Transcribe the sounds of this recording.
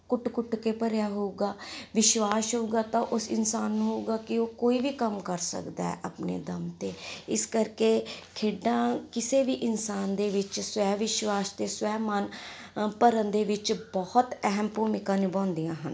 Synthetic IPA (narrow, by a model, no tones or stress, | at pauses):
kʊʈkʊʈkeːpəɾjaːɦouɡaːʋɪʃwaːsɦouɡaːt̪ãːʔʊsɪ̰nsaːnːũːɦouːɡaːkɪoːkoːiːʋiːkəmkəɾsə̰kd̪a̰ɛ̰ːʔaːpnḛːd̪əmt̪eːɪskəɾkeːkʰeːɖãːkɪseːʋiːʔɪnsaːnd̪eːʋɪt͡ʃswɛːʋɪʃwaːst̪eːsʋɛːmənpəɾənd̪eːʋɪt͡ʃbɔhət̪ɛɦəmpuːmɪkãːneːbɔ̃ːnd̪ijãːɦən